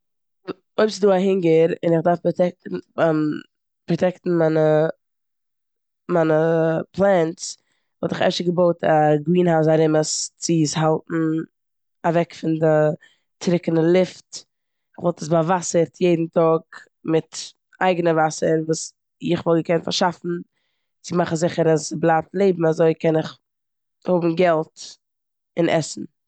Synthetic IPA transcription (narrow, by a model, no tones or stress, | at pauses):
oɪpsɪduːaɦɪŋɡeɾɪnɪχdaɾfptɛk̩̚ː | pɾɔtɛktn̩manə | manəpʰlˠɛnts | vɔlˠtɪχɛ̰ʃəɡəboʊtʰaɡɾiːnhaʊs̬aɾɪməst͡sɪsɦalˠtn̩ | avɛkfɪndɪ | tʰɾɪkənəlˠɪft | ɪχvɔlˠtəs̬bavasəɾtʰjeɪdn̩tɔk | mɪt | aɪɡənəvasəɾvuːs | ɪχvɔlˠɡəkɛntfa̰ɾʃafn̩ | t͡sɪmaχn̩zɪχəɾasblˠaːp̚tlˠeɪbm̩azoɪkɛnɪχ | hʊbm̩ɡɛlˠt | ɪnʔɛ̰sn̩